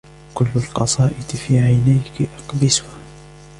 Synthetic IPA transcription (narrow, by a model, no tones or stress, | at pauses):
kʊlːalqɑsˤɑːʔɪd̪fiːʕajnajkʔɑqbɪsʊha